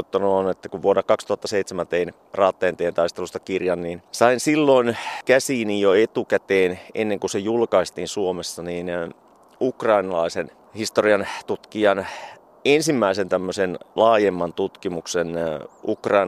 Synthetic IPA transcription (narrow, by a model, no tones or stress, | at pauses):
ot̪ːɑnoːnet̪ːækuʋʋuoɾɑkɑkst̪uhɑt̪ːɑseit̪semænt̪ein | rɑːt̪ːɑjɑnt̪ejænt̪ɑist̪elust̪ɑkirjɑnniːnsɑinsilːoinkæsiːnijoet̪ukæt̪eːnenːeŋkusejulkɑist̪iːnsuomesːɑniːn | ukrɑinɑlɑisen | hist̪oriɑnt̪ut̪kiɑn | ensimːæisent̪æmːøsenlɑːjemːɑnt̪ut̪kimuksenukrɑin